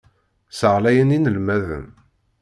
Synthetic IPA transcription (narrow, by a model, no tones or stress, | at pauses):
səʁlæjəninəlmæðə̰m